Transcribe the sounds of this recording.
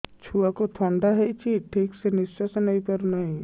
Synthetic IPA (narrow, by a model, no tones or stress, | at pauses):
t͡ʃʰuːakot̪ʰɔ̃ːɳɖaɦɛit͡ʃʰiʈʰiːksenɪst͡ʃəsnɐĩpəɾnaĩ